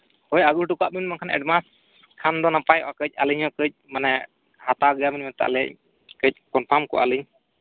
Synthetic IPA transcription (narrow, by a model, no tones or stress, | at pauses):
hɔjaɡuɾʈukaʔminmaŋkʰanɛ̰ɖmas | kʰand̪ɔnapajɔ̰ʔakəc̚ˀaləɲhɔkəc̚ˀmanɛ | hat̪aɡəjaminmɛnt̪a̰ʔlɛc̚ | kəc̚ˀkɔnpʰamkɔ̰ʔa̰ləɲ